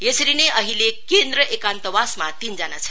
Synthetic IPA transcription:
jesəɾineʔəɦilekend̪ɾəʔekant̪əʋasmat̪ind͡zana̰t͡sʰə̥

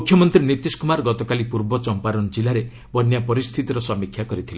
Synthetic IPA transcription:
ukʰjɔmɔnt̪ɾinit̪iskumaɾɡɔt̪ɔkalipuɾbɔt͡ʃɔmpaɾɔnɔd͡ʒilaɾe | bɔnjapɔɾist̪ʰit̪iɾɔsɔmikʰjakɔɾit̪ʰile

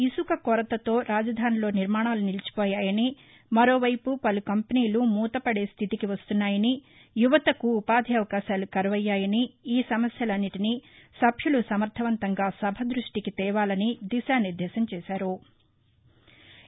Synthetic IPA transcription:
isukɐkɔɾɐt̪ɐt̪o̞ːɾaːd͡ʒɐd̪ʱaːnilo̞ːniɾmaːɳaːlunilit͡ʃi̥pɔːjaːjɐni | mɐɾo̞ːʋɐjpupɐlukɐmpɐniːlumuːt̪ɐpɐɽeːst̪ʰit̪ikiʋɐst̪unːaːjɐni | juʋɐt̪ɐkuːpaːd̪ʱiɐʋɐkaːʃaːlukɐɾɐʋɐjːaːjɐniiːsɐmɐsjɐlɐnːiʈinisɐbʱjulusɐmɐɾt̪ʰɐʋɐnt̪ɐŋɡaːsɐbʱɐd̪ɾuʂʈikit̪ɛːʋaːlɐnid̪isaːniɾd̪ʱɛːsɐmt͡ʃɛːʃaːɾu

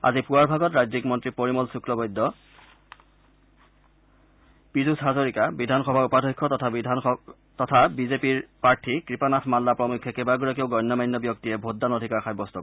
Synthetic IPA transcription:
a̰zipuaɹbʱaɡɔtɹadzikmɔntɹipoɹimɔlsukɹɔbɔjdːɔ | pizusɦazoɹikabidʱanxɔbʱaupadʱɔkʰːɔtɔtʰ | tɔtʰabizepiɹpaɹtʰikɹipanatʰmalːapɹɔmukʰːɛkebaɡuɹak̬eʊɡɔjnːɔmajnːɔbjɔk̚tijɛbʱodːanodʱikaɹxajbɔstɔkɔ

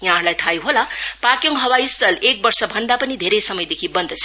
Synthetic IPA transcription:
jɦãɾlajt̪ʰajuɦolapakjoŋɡɦʌwajst̪ʌlek̚bʌrsʌbʱʌnd̪apʌnid̪ʱeɾejsʌmʌjd̪ekʰibʌnd̪ʱʌt͡sʰ

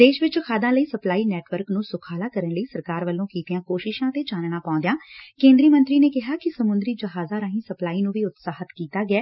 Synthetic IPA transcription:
d̪eːʃʋɪt͡ʃkʰaːd̪ãːləiːsəplaːiːnɛːʈʋəɾknũːsʊkʰaːlaːkəɾənləiːsəɾkaːɾʋəlːõːkiːt̪ɪjãːkoːʃɪʃãːt̪eːd͡ʒaːnɽ̃aːpãːnd̪ejãːkẽːnd̪ɾiːmə̃nt̪ɾiːneːkɪɦaːkɪsəmʊnd̪ɾiːd͡ʒəɦaːzaːɾãːɦĩsəplaːiːnũːʋiːʊt̪saːɦət̪kiːt̪aːɡɪɛː

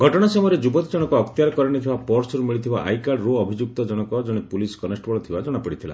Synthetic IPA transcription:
ɡʱɔʈɔɽ̃asɔmɔjɾed͡ʒubɔt̪id͡ʒɔɽ̃ɔkɔːkt̪ijaɾkɔɾiɽ̃it̪ʰibapɔɾsɔɾumiɭit̪ʰibaʔa̰jkaɭɾuɔbʱid͡ʒuk̚t̪ɔd͡ʒɔɽ̃ɔkɔd͡ʒɔɽ̃epuliskɔnesʈbɔɭɔt̪ʰibad͡ʒɔɽ̃apiɽit̪ʰila̰

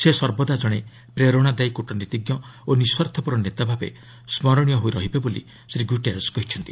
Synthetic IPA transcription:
sesɔɾbɔd̪ad͡ʒɔɽ̃e | pɾeɾoɽ̃ad̪ajkuʈɔnit̪iɡjɔoniswɔɾt̪ʰɔpuɾɔnet̪abʱabḛ | smɔɾɔɽ̃ijɔɦojɾɔɦibebolḭ | sɾiɡuʈeɾɔskɔɦit͡ʃʰɔnt̪i

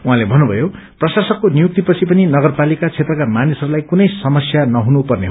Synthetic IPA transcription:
uɦãlebʱʌnːubʱʌjo | prʌsasʌkːonijuk̚t̪ipʌt͡sʰipʌninʌɡʌrpalikat͡sʰet̪rʌkamanisʌɾulajkunʌjsʌmʌsjanʌɦunupʌrneɦo

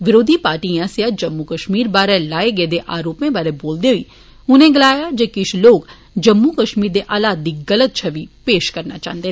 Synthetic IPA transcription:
ʋɪɾoːd̪ʱipaːɾʈiãsejad͡ʒɐmːukəʃmiːɾbaːɾɛlaːeɡeːd̪eʔaːɾoːpmẽbaːɾeboːld̪eɦʊḭː | ʊnẽɡɪlaːjad͡ʒekɪʃʰloːɡ | d͡ʒɐmːukəʃmiːɾd̪eʔaːlaːd̪̚d̪iɡɐlət̪̚t͡ʃʰɐʋipeːʃkɐɾnat͡ʃã̰ːɦnd̪eː

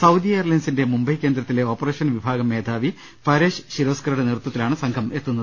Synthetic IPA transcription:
sɐwd̪iɐjɐrlɐnsinde̞mumbɐjkʲːe̞ːnd̪ɾɐt̪ːile̞o̞ːpːɐre̞ːʂɐnʋibʱaːɡɐmːe̞ːd̪ʱaːʋi | fɐɾeːʂɕiɾo̞ːskɐɾuɽenirut̪ːwɐt̪ːilaːɳɨsɐŋkʰɐme̞t̪ːunːɐðɨ

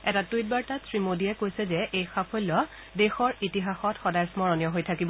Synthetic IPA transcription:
ɛtatujt̚baɹtatsɹimodiɛkojsɛzɛʔejxapʰolːɔ | dexɔɹitiɦaxɔtxɔdajsmɔɹɔnijɔɦojtʰakibɔ

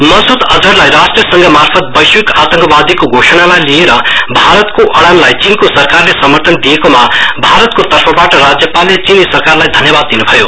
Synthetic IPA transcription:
mʌnsud̪ʌd͡zʌɾlajɾasʈriʌsʌŋɡʌmarpʰʌt̪̚bʌjswikat̪ʌŋkʌbad̪ikoɡʱosʌnamajlieɾʌbʱaɾʌt̪koʔʌɽanlajt͡sinkosʌrkarlesʌmʌrt̪ʌnd̪ijekomabʱaɾʌt̪̚kot̪ʌrpʰʌbaʈʌɾad͡zjʌpalːet͡sinisʌrkarlajd̪ʱʌnjʌbad̪̚ːinubʱʌjo

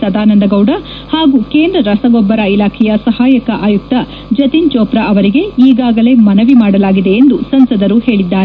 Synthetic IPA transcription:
sɐd̪aːnɐnd̪ɐɡɐwɖɐ | haːɡuːke̞ːnd̪ɾɐɾɐsɐɡɔbːɐɾɐilaːkʰɛjɐsɐhaːjɐkɐʔaːjuk̚t̪ɐ | d͡ʒɐt̪int͡ʃɔːpɾɐɐʋɐɾiɡe̞iːɡaːɡɐle̞mɐnɐʋimaːɽɐlaːɡid̪e̞ːnd̪usɐnsɐd̪ɐɾuhe̞ːɭid̪ːaː

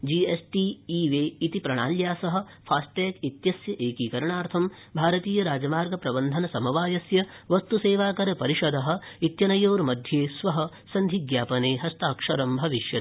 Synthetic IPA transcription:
d͡ʒiːesʈiːiʋeːit̪ipɾɐɳaːljaːsɐɦɐ̆ | pʰaːsʈeːkit̪jɐsjɐʔeːkikɐɾɐɳaːɾt̪ʰɐm | bʱaːɾɐt̪iːjɐɾaːd͡ʒɐmaːɾɡɐpɾɐbɐnd̪ʱɐnɐsɐmɐʋaːjɐsjɐʋɐst̪useːʋaːkɐɾɐpɐɾiʃɐd̪ɐɦɐ̆it̪jɐnɐjoːɾmɐd̪ʱjeːsʋɐɦɐ̆ | sɐnd̪ʱiɡjaːpɐneːɦɐst̪aːkʂɐɾɐmbʱɐʋiʃjɐt̪

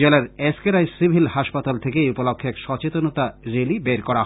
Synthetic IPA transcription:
elaɾeskeɾajsibʱilhaʃpat̪alt̪ʰekejupolokʰːekʃɔt͡ɕet̪onot̪aɾelibeɾkɔɾa

